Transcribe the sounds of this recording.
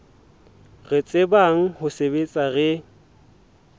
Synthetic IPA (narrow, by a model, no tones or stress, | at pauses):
ɣɪt͡sʼebaŋ̩hʊsebet͡sʼaɣɛ